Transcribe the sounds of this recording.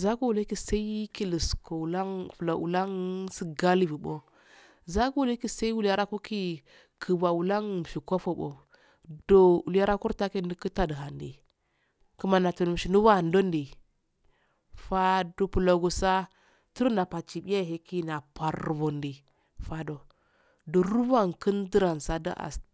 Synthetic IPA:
za˦ɡu˦wu˨le˦ki˦sa˦i˦ki˦li˨sko˨la˦ŋfu˨lo˨ʔṵ˨la˦ŋsi˦ɡa˦li˦˨vi˨ɓo˦ | za˦ɡu˦u˦le˦ki˦sa˦i˦wu˦la˦ɾa˦ku˦ki˦ | kʰə˨ba˨wu˨la˦ŋm˨ʃi˨ko˦fo˨ɓo̰˨ | do˨ṵ˨lja˦ɾa˦ku˦ɾta˦ki˦ndi˦kə˦ta˨də˨ɦa˨ndḭ˨ | ku˦ma˨na˨tu˨n˨m˨ʃi˨nu˦wa˦˨ndo˦ndi˨ | fa˦du˨pu˨lo˨ɡu˨sa˦ | ti˦ɾna˨pa˨t͡ʃi˨ɓi˦a˦˨ɦe˦ki˦na˨pa˨ɾvo˨ndi˨ | fa˨do˨ | do˨ɾu˦va˦ŋkə˦ndə˦ɾa˨nsa˦da̰˦ʔa̰˨s

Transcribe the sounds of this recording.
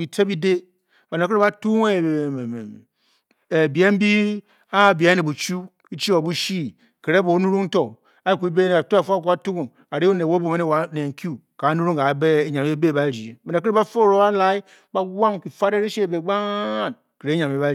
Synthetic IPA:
i˨te˦bi˦de˦ | ba˨na˨ke˦ɾe˦ba˦tu˦ŋe˦˨ | e˨bi˨e˦m̩˦bi˦ | a˦˨ba˨˦e˦ne˨bu˨t͡ʃu˦ | i˦t͡ʃi˦o˨bu˦ʃi˦ | ke˨ɾe˦bo˨˦nu˦ɾu˦ŋn̩˦to˨ | a˨˦i˨ku˨i˦be˦n˨a˨tu˦a˨fku˦a˦tu˦ɡu˨ŋ | a˨ɾi˦o˦ne˨wo˦bo˨me˦e˦wa˨˦ne˨ŋ̩˨ku˦ | ka˨˦nu˦ɾu˦ŋka˨˦be˦e˦ɲa˨mi˦e˦be˦˨ba˦˨ɾi˨e˨ba˨na˨ke˦ɾe˦ba˦fo˦˨ɾo˨˦a˦la˨i˦ | ba˦wa˦ŋki˨fa˦ɾe˦ɾe˦ʃe˦˨be˨ɡ͡ba˦˨n | ke˨ɾe˦ɲa˨mi˦ba˦

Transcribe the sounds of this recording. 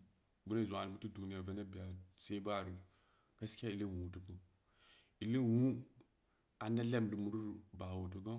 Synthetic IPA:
bu˦na˦za˨ni˨bu˦tu˦du˨ni˦ja˨ve˦na˦bi˨ja˨se˦ba˦˨ɾi˨ | ka˦skʲa˦i˨le˦wu˨tu˨bu˦ | i˨le˦wu˦ | a˨nda˦le˦mdi˨mu˨˦ɾu˦ɾba˨wo˨tu˦ɡo˦

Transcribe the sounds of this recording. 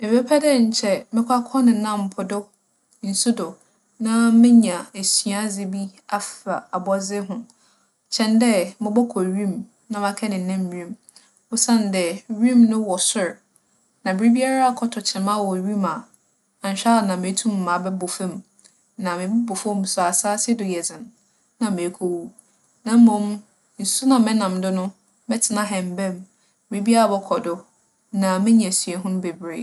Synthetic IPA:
mɪ̃˨pɛ˦pʰɛ˦dɛ˦˨ɲ̩˨t͡ɕʰɛ˦mɪ̃˦kʷʰa˦kʰɔ̃˦nɪ̃˨nã˦˨m˨pʰʊ˨dʊ˦ | n̩˨su˦dʊ˨ | nã˦mɪ̃˦ɲã˨e˨sɥa˨˦zɪ˦bi˦a˦fa̰˨a˨bɔ˦zɪ˦ɦʊ̃˨ | t͡ɕʰɛ̃˨ndɛ˦mɪ̃˨bɔ˦kʰɔ˨ɥĩ˦˨m | nã˦mã˨kʰɛ˦nɪ̃˨n˨nã˦mɥĩ˦˨m | wʊ˦sã˦˨n˨dɛ˨ɥĩ˦mnʊ̃˦wɔ˨sʊ˦˨ɾ | nã˨bɾi˦bi˦a˦ɾa˦a˦˨kʰɔ˨˦tʰɔ˨t͡ɕʰɪ˨mã˦wɔ˨ɥi˦ma˨ | ã˨n˨ɕᶣa˦˨nã˨mẽ˨˦tʰũ˦mː˨ã˨bɛ˦bʊ˨fɛ̃˦m | nã˨mɪ̃˨bɪ˦bʊ˨fo˦mu˨sʊ˨a˨saː˦sɪ˦dʊ˨jɛ˨d͡zɪ̃˨n˨ | nã˨me˨˦kʰo˦wu˦ | nã˨m̩˦mõ˨˦m˦ | n̩˨su˦nã˨mɛ̃˦nã˨m˨dʊ˦nʊ̃˦ | mɛ˦tʰɪ˨nã˦ɦɛ̃˨m˨bɛ̃˦m˦ | bɪ˨ɾe˦bi˦a˦ɾa˦bɔ˦kʰɔ˨dʊ˦ | nã˨mɪ̃˦ɲ˦ɛ̃˨sɥɛ˨ɦʊ̃˦nʊ̃˦be˨bɾe˦˨

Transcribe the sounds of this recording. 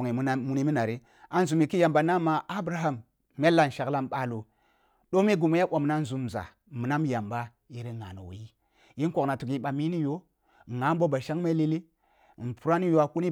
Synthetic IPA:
ŋi˨˦mu˨ni˦mi˦na˨ɾi˦ | a˨n˦zu˨mi˨ki˦ja˨mba˨na˦ma˨a˦bɾa˨ɦa˦m | me˦lːa˦˨n˨ʃa˨kla˦mɓa˨lu˨ | ɗo˦mi˦ɡu˨mi˦a˦ɓʷo˨m˨na˦n˨zu˨m˨za̰˨ | mi˨na˦m˦ja˨mba˦ | i˦ɾi˦ŋa̰˨no̰˨w̰i˦ | ji˦n˦ko˨kna˨tu˨ki˨ɓa˨mi˦ni˦jo˦˨ | ŋa˨˦mbo˦ba˨ʃa˦ŋme˦li˦li˦˨ | n˨pu˨ɾa˦ni˦jo˨a˨ku˦ni˦

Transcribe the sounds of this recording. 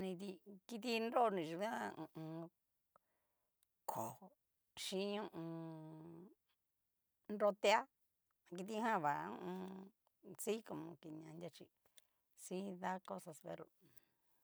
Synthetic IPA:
nĩ˧t̪̬i˧ki˧t̪̬i˧nɾo˦˧nĩ˨ʃũ˧˦ã˦˧ũ˧˨ʔũ˧ | kʰo˨ho˨ | ʃĩ˦ũ˦˧ʔũ˧ | nɾo˦t̪e˦a˦˧ | ki˧t̪̬i˦˧ɦã˦˨βa˨˦ṵ̃˦ʔũ˧ | t͡si˦ko˧˨mõ˧ki˧˨ɲã˨˧ndʲa˧t͡ʃi˧ | si˦ða˦ko˦sa˧sβḛ˧ɾo˧˨

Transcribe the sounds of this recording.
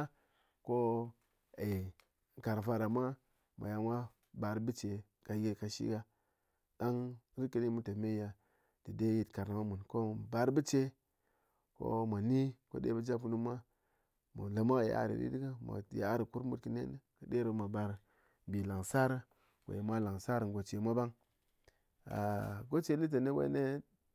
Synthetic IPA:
ko˦ | e˨ | ka˨ɾfa˦ɾa˨mʷa˦ | ma̰˨ja˨ŋa˦ | ba˨ɾbi˦t͡ʃe˨ | ka˨˦ɡe˦ka˨ʃḭ˦ɡa˦ | da˦ŋɾi˦ki˨ni˦mu˦ta˨me˦a˨ | d̥i˨de˦ji˨tka˨ɾn˨ma˦mu˨nko˦˨ba˨ɾbi˦t͡ʃe˦ | ko̰˦mʷa˨ni˦ko̰˦dḛ˨˦bə˦d͡ʒa˦pknu˦mʷa˦ | mo˨la˨ma˦˨ja̰˦˨ɾḭ˨ɾḭ˦di˦ɡa˦mo̰˨ja˨˦ɾi˨ku˦ɾmu˦tki˨nḛ˦nə˦kə˨de˦ɾo˨˦ma˨ba˨ɾ | bi˨la˨ŋsa˦ɾa˦ | wḛ˨je˨mʷa˦la˨ŋsa˦ɾa˨ɡo˨t͡ʃe˨mʷa˦ba˦ŋ | a̰˨ɡo˦t͡ʃe˦li˦t̬e˨ne˦wḛ˦ne˦

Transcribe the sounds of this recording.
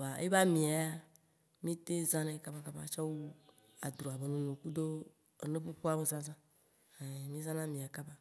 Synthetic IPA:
ba˨ḛ˦ba˦mĩ˨a˨a˦ | mĩ˦t̪e˦zã˦nẽ˨˦ka˦ba˦ka˦ba̰˦t͡ʃɔ˦wu˦ | a˨d̪ɾo˨a˨be˨nũ˨nũ˨ku˦d̪o˦ | e˨nẽ˦ɸe˦ɸo˦a˦me˦zã˦zã˦ | e˨mĩ˦zã˦nã˦mĩ˨a˨ka˦ba˦

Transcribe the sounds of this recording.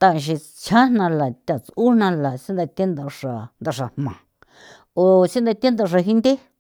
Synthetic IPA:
t̪ã˧ʃ̬i˧ | t͡ʃʰa˦nnã˧la˨t̪ʲa˨t͡su˦n̥nã˧la˨sĩ˦nd̪a˧t̪ʲe˦nd̪a˧ʂa˧nd̪a˧ʂa˨hmã̰˨ | o˨si˦nd̪a˧t̪e˦nd̪a˧ʂ̬a˧ɦi˧nd̪e˦

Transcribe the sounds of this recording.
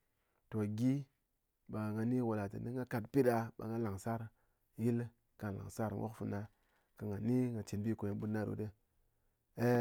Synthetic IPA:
to˨ɡʲi˦ | ba˨ŋa˧ni˦wo˧la˨tɨ̰˨ni˦ŋa˦ka˧tpi˦ta˧ɓa̰˨ŋa˧˦la˨ŋsa˦ɾ | ji˦l | ka˨la̰˨ŋ˨sa˦ɾwʔo̰˦kfu˧˦na˧ | ka˨ŋa˨ni˦ŋa˨t͡ʃi˨nbi˦˨ko˨e˨bu˦na˦ɾṵ˨˦de˦ | e˦

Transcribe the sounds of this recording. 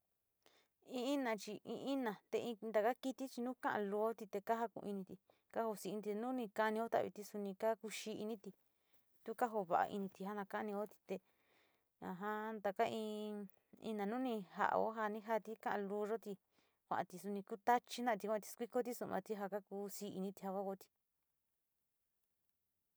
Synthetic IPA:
ĩ˧˦nã˧t͡ʃi˧ḭ̃˧ʔĩ˦nã˨t̪e˧ĩ˧d̪a˧ka˦ki˦t̪i˦t͡ʃi˧nũː˦kã˦ʔã̰˧lu˧o˦t̪i˧t̪e˧ka˦ɦa˦˧kṵ̃˧i˧nĩ˧t̪i˧ | ka˦ho˧si˧t̪i˧nũ˦nĩ˧ka˧nĩ˧o˦t̪a̰˧˨βḭ˧t̪i˧su˧nĩ˧ka˦ku˧ʃi˦ʔi˧nĩ˦t̪i˧ | t̪u˦ka˦ɦo˧βa̰˧ʔa̰˧ʔḭ˧nĩ˧t̪i˧ɦa˦nã˧ka˦ʔnĩ˧o˦t̪i̥˧t̪e˧ | ã̰˧ɦã˦nd̪a˧ka˦ĩ˧ | ḭ̃˧nã˨˧nũ˦nĩ˧ɦa̰˧ʔa̰˧o̰˦ɦa˧nĩ˦ɦa˦t̪i˦kã˦ʔã˧luː˧ʐo˦t̪i˧ | kʷa̰˧ʔã˨˧t̪i˧su˧nĩ˧ku˦t̪a˦t͡ʃi˦nã˦ʔt̪i˧kʷã˧t̪i̥˧skʷi˦ko˦t̪̬i˦su˧mã̰˧t̪i˦ɦa˧ka˦ku˧si˧˦ḭ˧nĩ˧t̪i˧ha˧ka˦ko˧t̪i̥˧

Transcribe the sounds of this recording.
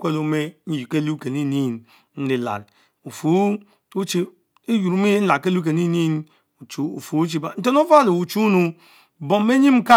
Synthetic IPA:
kʷe˦lo˨me˦n̩˦ji˨ke˦lu˦ke˨ni˦ni˦˨n | n̩˦li˨la̰˨ɾ | u˨fu˨˦ | u˦t͡ʃi˦ | i˦ju˨ɾu˦mi˦n̩˦la˨ke˦lu˦ke˨ni˦ni˦n | u˨t͡ʃu˨ṵ˨fu˨˦t͡ʃ̬i˦ba˨n̩˦te˦n˦o˦va˦˨li˨u˨t͡ʃu˦nu˨ | bo˨mː˦e˦ɲi˦m̩˦ka˦

